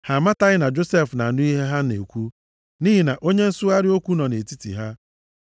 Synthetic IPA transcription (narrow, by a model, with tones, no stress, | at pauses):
ha˨ma˦ta˦ɣɪ˦na˨d͡ʒo˦se˦˨fna˨a˨nʊ˦i˦ɦe˦ɦa˦nḛ˨kʷu˦ | niː˦ɦi˨na˨ʔo˦ɲe˦n̩˦sʊ˦a˦ɾɪ˦o˦kʷu˦nɔ˨ne˨ti˦tḭ˨ɦa˦